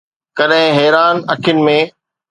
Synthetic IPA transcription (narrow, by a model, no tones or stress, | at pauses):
kɐɗɦɪ̃ɦɛːɾaːnɐkʰjʊnɪ̆mẽ